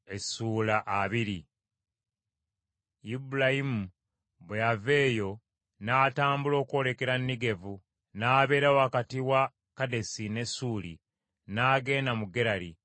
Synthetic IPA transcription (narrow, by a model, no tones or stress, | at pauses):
e̞suːlaʔaβiɾi | ibulajimu | bwejave̞ːjo̞ | naːtaːmbulo̞ːkuo̞le̞ke̞ɾanːiɡe̞vu | naːβe̞ːɾawoakatiwa | kade̞sine̞suːlḭ | naːɡe̞ːnamuɡe̞ɾaɾi